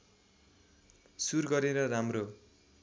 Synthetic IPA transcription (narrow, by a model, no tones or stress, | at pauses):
surɡʌɾeɾʌramro